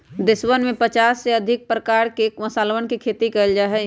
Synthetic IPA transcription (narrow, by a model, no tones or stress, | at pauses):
d̪ɪswənmẽpət͡ʃaːsːeɐd̪ʱɪk̚pɾəkaːɾkekmɐsaːlʋənkikʰeːt̪ikɐld͡ʒaɦɛ